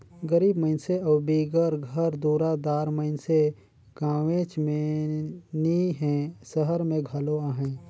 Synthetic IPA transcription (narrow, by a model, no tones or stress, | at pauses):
ɡəɾiːbməɪnseɔːbiːɡəɾɡʱəɾd̪uːɾad̪aːɾməɪnse | ɡãːwẽt͡ʃme | niɦɛ̃səɦəɾmẽɡʱəloaːɦɛ̃ː